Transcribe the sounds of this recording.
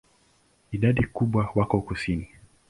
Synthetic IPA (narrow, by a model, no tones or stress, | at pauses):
iɗaɗikuɓwawakɔukusini